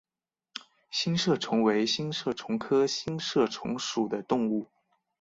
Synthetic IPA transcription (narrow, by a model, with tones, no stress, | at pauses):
ɕi˥nʂɤ˥˩ʈ͡ʂʰʊ˧˥ŋwe˧˥ɪɕi˥nʂɤ˥˩ʈ͡ʂʰʊ˧˥ŋkʰɤ˥ɕi˥nʂɤ˥˩ʈ͡ʂʰʊ̰˧˥ŋʂu˨˩d̪ə˦t̪ʊ˥˧ŋu˥˩